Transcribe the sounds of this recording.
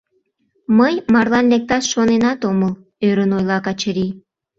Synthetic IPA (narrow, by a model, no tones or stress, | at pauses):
məjmɑrlɑnlek̚t̪ɑtʃonenɑt̪oməl | øɾənojlɑkɑt͡ɕəɾi